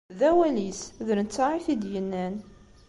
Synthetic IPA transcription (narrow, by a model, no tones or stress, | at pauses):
ðæwælisðəɾənt͡sːaʕiθid̪jənːæn